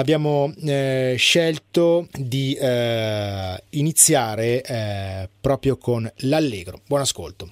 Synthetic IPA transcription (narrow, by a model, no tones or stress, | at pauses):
abjaːmo | ʃɛlt̪od̪i | init̪sːjaːɾe | pɾɔːpɾjokʰonlalːeːɡɾobwɔːnaskolt̪o